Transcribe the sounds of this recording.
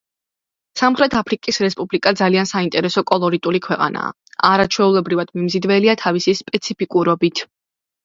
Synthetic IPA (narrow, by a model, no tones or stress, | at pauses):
samχɾɛt̪ʰapʰɾikʼisɾɛspʼublikʼad̪zaliansaint̪ʼɛɾɛsɔkʼɔlˠɔɾit̪ʼulikʰwɛqʼa̰na̰ː | aɾat͡ʃʰwɛulɛbɾivad̪̥mimzid̪vɛliat̪ʰavisispʼɛt̪sʰipʰikʼuɾɔbit̪ʰ